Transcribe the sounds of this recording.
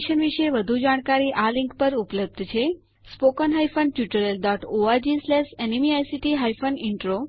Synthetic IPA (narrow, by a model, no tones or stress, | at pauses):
ʃənʋiʃeʋəd̪ʱud͡ʒaɽ̃kaɾiʔalĩŋkpəɾupləb̚d̪ʱt͡ʃʰe | spokɔnɦajfənʈjuʈəɾelɖɔʈoad͡ʒislesenimiajsiʈiɦajfəniɳʈɾo